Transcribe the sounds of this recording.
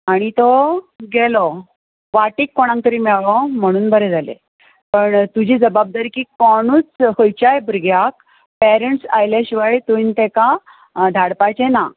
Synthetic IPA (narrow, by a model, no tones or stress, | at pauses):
aɽ̃it̪ɔ | ɡɛlɔ | ʋaʈiːkːɔɽ̃ãŋk̚t̪əɾiːmɛɭɭɔm̤əɽ̃uːnbəɾɛd͡zalḛ | pəɳt̪ud͡ʑʱiːd͡zəbab̚d̪aɾikiːkɔɽ̃uːt͡shəjt͡ɕajbʱɾɡjak̚ | pɛɾeɳʈsajleɕiʋajt̪ujnt̪ɛka | d̪ʱaɽpajt͡ɕena